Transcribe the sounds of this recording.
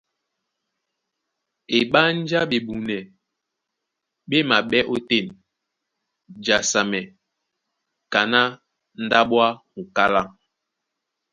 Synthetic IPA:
e˨ɓa˦n̩˦d͡ʒa˦ɓe˨ɓu˨nɛ˨ | ɓe˦ma˨ɓɛ˦ʔo˦te˦˨n | d͡ʒa˨sa˨mɛ˨ | ka˨na˦ | n̩˦da˦ɓwa˦ŋu˨ka˦la˦˨ŋ

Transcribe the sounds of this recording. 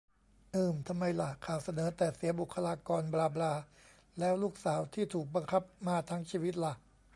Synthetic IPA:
ʔɯː˨˩mt̪ʰa˧mːa˧jla˨˩kʰaː˨˩wsa˧nɤː˩˦t̪ɛː˨˩si˩˦ɐbu˨˩kʰːa˧laː˧kɔː˧nblaː˧blaː˧ | lɛː˦˥wluː˥˩k̚saː˩˦wt̪ʰiː˥˩t̪ʰuː˨˩k̚ba˧ŋkʰa˦˥p̚maː˧t̪ʰaː˦˥ŋt͡ɕʰiː˧wi˦˥t̪̚la˨˩ʔ

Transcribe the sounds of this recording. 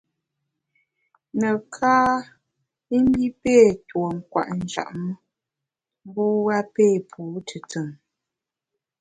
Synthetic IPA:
nə˨kʰaː˦ | i˦m˦bi˦pe˦˨two˨ŋ̩˨kwa̰˨ʔn̩˨d͡ʒa̰˨ʔmə˦ | m˦bu˦ɣa˦pe˦˨pʰu˨˦tʰə˨tə˨ŋ

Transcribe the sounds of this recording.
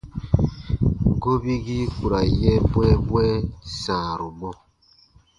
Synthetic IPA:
ɡo˦bi˦ɡi˦ku˨ɾa˨jɛ˦bwɛ˦bwɛ˦sa˨ɾu˨mɔ˦

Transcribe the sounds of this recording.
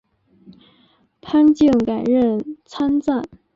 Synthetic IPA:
pʰa˥nt͡ɕi˥˩ŋka˨˩ɪɻə˥˩nt͡sʰa˥nt͡sa˥˩n

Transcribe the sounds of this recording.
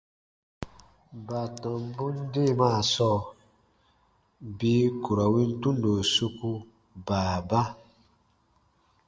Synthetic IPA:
ba˨tã˨m˦bũ˦n˦de˦˨maː˦˨sɔː˦˨ | bi˦ku˨ɾa˨wĩ˦n˦tũ˦n˦do˨su˧ku˧ | baː˨ba˦

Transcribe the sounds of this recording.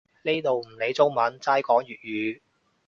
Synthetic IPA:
le˥t̪o˨˧wm̩˨˩le˨˥jt͡sʊ˥ŋmɐ˨˥nt͡saː˥jkɔː˨˥ŋjyː˨t̚jyː˨˧

